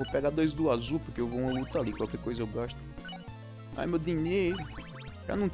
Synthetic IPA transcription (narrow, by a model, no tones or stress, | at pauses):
opɛɡad̪ojzd̪uazupʊɾkeewvoũɐ̃lut̪alikwawkɛɾkojzɐewɡaʃt̪ʊ̥ | a̰jmewd̪ĩɲejɾʊ | ʒa̰nɐ̃w̪̃